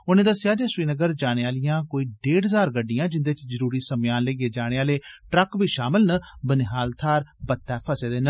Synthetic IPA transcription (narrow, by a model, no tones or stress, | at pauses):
ʊnẽːd̪aːsɪjaːd͡ʒẽːsʊwiːnəɡəɾd͡ʒaːɽ̃eːaːlɪjãːkoːiːɖeːɖəzaːɾɡəɖːɪjãːd͡ʒɪnd̪eːt͡ʃzəɾuːɾiːsəmjaːnleːɡeːd͡ʒaːɽ̃eːaːleːʈɾəkbiːʃaːmɪlnəbənɪɦaːlt̪ʰaːɾbət̪ːɛːpʰəseːd̪eːnə